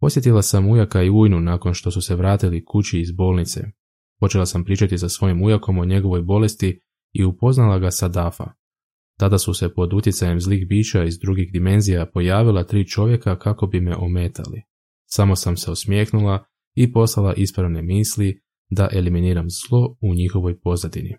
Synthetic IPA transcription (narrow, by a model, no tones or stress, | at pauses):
po̞sje̞t̪̬ilˠasamujakaiuːjnunaːko̞nʃt̪o̞suse̞ʋɾaːt̪ilikut͡ɕiːzbo̞ːlnit̪se̞̰ | po̞t͡ɕe̞lˠasampɾiːt͡ʃat̪isasʋo̞jimujako̞mo̞ɲe̞ɡo̞ʋo̞jbo̞le̞st̪i | iupo̞znalˠaɡasad̪afa̰ | t̪ad̪asuse̞po̞d̪ut̪jet̪saje̞mzlixbiːt͡ɕaizd̪ɾuɡixd̪ime̞nzijapo̞jaːʋilˠat̪ɾiːt͡ʃo̞ʋje̞kakako̞bimeʔo̞me̞t̪ʰa̰lḭ | samo̞samseosmje̞ːxnulˠa | ipo̞slˠalˠaʔispɾaʋne̞miːsli | d̪aʔe̞liminiːɾamzlˠo̞uɲixo̞ʋo̞jpo̞zad̪inḭ